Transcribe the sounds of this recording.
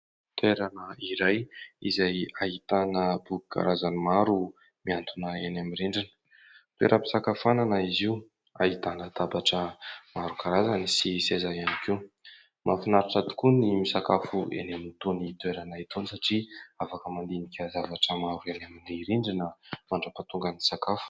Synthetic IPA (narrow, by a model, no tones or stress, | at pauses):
t̪weɾanəiɾajḭzajaɦit̪anəbuɡi̥kʰa̰ɾazanimaɾu | miant̪ʰunəenamiɾiɳɖ͡ʐinə̥ | t̪wḛɾʔəpi̥sakafananəiziu | a̰ɦit̪anəd̪abaʈ͡ʂəmaɾukaɾazanisisezaanikew | mafinaɾaʈ͡ʂat̪u̥kunimisakafuḛnamint̪unit̪uweɾanait̪ʰonisaʈ͡ʂiafakəmand̪inikʲəzavaʈ͡ʂəmaɾuenamileɾiɳɖ͡ʐinəmaɳɖ͡ʐəpat̪uŋɡənisakafu̥